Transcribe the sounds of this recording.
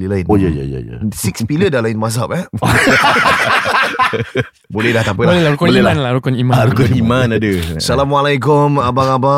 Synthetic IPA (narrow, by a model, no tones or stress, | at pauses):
ilaɪnojaja̰ja̰ja̰sikspilədalaɪnmas̬apɛ | bolɛhdaht̪apəlbloɛlaɾukɔlɛlanlaɾukɔnimaaɾukɔnimanadəsalamalajkʊmabaŋaba